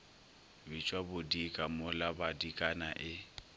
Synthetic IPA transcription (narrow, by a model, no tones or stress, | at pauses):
bit͡ʃʼwabʊdikʼamʊlabadikʼana̰ʔɪ